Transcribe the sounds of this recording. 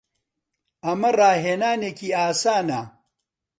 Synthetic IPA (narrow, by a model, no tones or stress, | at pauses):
ɐmɐraːɦeːnaːneːkiːaːsaːnɐ